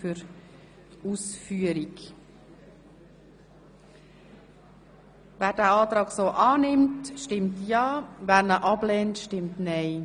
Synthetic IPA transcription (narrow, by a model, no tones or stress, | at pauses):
fyɾ | uːsfyːəɾik | væːɾdæːɑːtɾɑːɡsoːʔɑːnɪmtʃtɪmtjɑːvæːɾnəʔɑb̥lɛːntʃtɪmtnɛɪ